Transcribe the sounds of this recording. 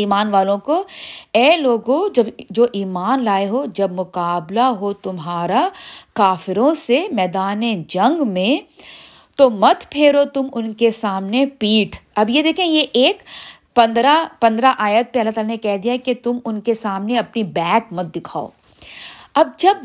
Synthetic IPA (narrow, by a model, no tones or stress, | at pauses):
iːmaːnʋaːlõkoɛːloːɡod͡ʒɐbd͡ʒoːʔiːmaːnlaːeɦod͡ʒɐbmʊkaːblaɦot̪ʊmɦaːɾakaːfɪɾõsemɛːd̪aːned͡ʒɐ̃ŋɡmẽ | t̪omɐt̪pʰeːɾot̪ʊmʊnkesaːmnepiːʈʰɐbjed̪eːkʰẽjeʔeːk | pɐ̃nd̪ɾapɐ̃nd̪ɾaʔaːjət̪̚peɐlat̪aːlanekɛɦd̪ijaɦɛket̪ʊmʊnkesaːmneɐpnibɛːkmɐt̪̚d̪ɪkʰaːo̰ː | ɐb̚d͡ʒɐb